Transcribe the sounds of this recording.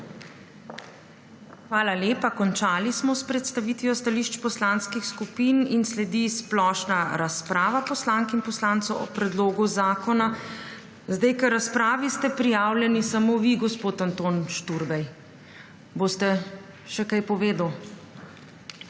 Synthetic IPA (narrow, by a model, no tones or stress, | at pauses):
xʋaːlaleːpakɔnt͡ʃaːlismɔspɾɛt̪st̪aʋiːt̪ʋijɔst̪aliːʃt͡ʃpɔslaːnskixskupiːninslɛd̪isplɔːʃnaɾaspɾaːʋapɔslaːŋkinpɔslaːnt̪sɔwʔɔ̰pɾɛd̪loːɡuzaːkɔna | zd̪ajkəɾaspɾaːʋist̪ɛpɾijaːwlʲjɛnisamoʋiɡɔspoːt̪ant̪oːnʃt̪uɾbɛj | boːst̪ɛ | ʃɛkajpɔʋeːd̪aw